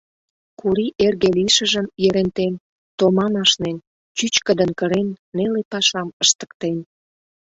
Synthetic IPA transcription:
kuɾiʔerɣeliʃə̆ʒəmjeɾent̪en | t̪omɑmɑʃnen | t͡ɕyt͡ɕkə̆d̪ə̆nkəɾenːelepɑʃɑməʃt̪ə̥k̚t̪en

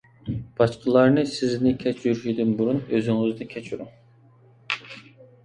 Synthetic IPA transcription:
b̥ɑʃqʰəlˠɑɾnɨsɪznɪkʲʰɛt͡ʃʰjyɾyʃid̪ynbuɾunøzyŋyzd̪ɪkʲʰɛt͡ʃʰyɾuŋ

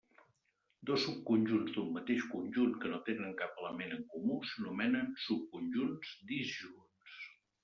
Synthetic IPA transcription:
d̪osːup̚kunʲʒunzd̪ummət̪eʃkunʲʒunkənot̪enəŋkapələmenəŋkumusənumɛnənsup̚kunʲʒunz̥d̪izʒuns

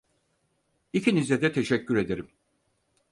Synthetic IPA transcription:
icʰinizʲɛd̪ɛt̪ʰe̞ʃɛcːyɾe̞d̪e̞ɾim

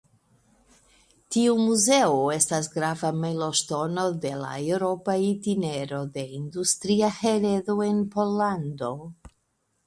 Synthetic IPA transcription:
tiumuze̞oe̞stas̬ɡɾavamejlo̞ʃto̞no̞de̞la̰ewɾo̞paitine̞ɾo̞de̞industɾiaheɾe̞doe̞npo̞lando̞

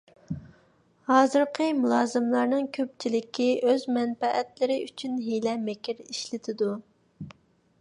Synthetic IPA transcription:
hɑːzɨɾqʰəmulˠɑːzɨmlˠɑɾnɨŋkʲʰøp̚t͡ʃʰilɪkʲʰiøzmɛnfɛʔɛt̪lɪɾɪyt͡ʃʰynɦelɛmɪkʲʰɪɾiʃlɪt̪ʰɪd̪u

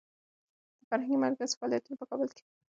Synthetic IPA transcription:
d̪̥əfaɾɦãŋɡimaɾkazfɑlijat̪unopəkɑbəlke̥

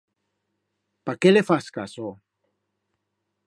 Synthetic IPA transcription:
pakelefaskaso

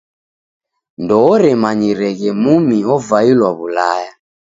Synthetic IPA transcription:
ndɔːɾɛmaɲiɾɛɣɛmumiɔvailwaβulaja

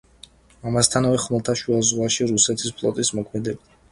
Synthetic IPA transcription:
amast̪ʰanavɛχmlˠt̪ʰaʃuazʁwaʃiɾusɛt̪ʰi̥spʰlˠɔ̰t̪ʼismɔkʰmɛd̪ɛbd̪a

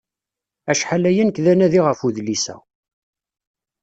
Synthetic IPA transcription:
æʃħalæjænkðænæðiʁəfuðlisæ̰

